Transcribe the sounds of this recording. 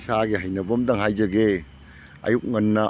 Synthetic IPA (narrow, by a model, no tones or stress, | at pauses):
saɡeɦajnɐbɐmdɐŋɦajzɐɡe | ɐ̰juk̚ŋɐnːɐ